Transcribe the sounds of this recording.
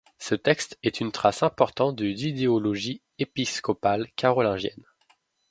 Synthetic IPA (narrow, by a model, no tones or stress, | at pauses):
sət̪ɛkst̪ɛt̪ʰynt̪χasɛ̃pɔʁt̪ɑ̃t̪̚d̪əzid̪eɔlɔʒi | episkɔpalkʲaʁɔlɛ̃ʒjɛ̰n